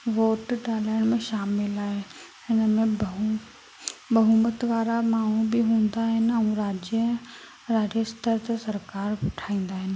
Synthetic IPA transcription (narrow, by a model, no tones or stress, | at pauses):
ʋoːʈɖaːlaːɪɽ̃mẽʃaːmɪlaːɦe | ɪnəmẽb | bɐɦuːmət̪ʋaːɾamaːɦubɪɦũːn̆d̪aɦɪnɪ̆ɐũɾaːd͡ʑjə | ɾaːd͡ʑəst̪əɾt̪ɐsɐɾkaːɾʊʈʰaːĩːn̆d̪aːɦɪnɪ̆